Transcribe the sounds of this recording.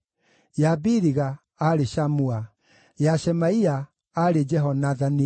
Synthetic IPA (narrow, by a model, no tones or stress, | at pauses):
jabiɾiɣaː | ɾeʃamua | jaʃɛmaia | aɾed͡ʒɛɦɔnaðani